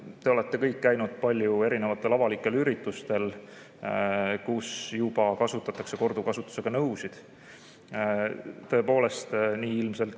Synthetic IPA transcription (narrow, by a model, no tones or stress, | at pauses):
t̪e̞o̞le̞t̪ːe̞kɤjkːæjnud̪̥̚pɑlʲjue̞ɾine̞vɑt̪ːˑe̞lɑvɑlikˑːe̞lyɾit̪ːˑust̪e̞l | kusjub̥ɑkɑsut̪ːˑɑt̪ːˑɑkse̞ko̞rd̪̥ukɑsut̪ːˑu̥se̞ɡ̥ɑnɤwsid̪̥ | t̪ɤ̞epo̞ːle̞st̪niːilmse̞lt̪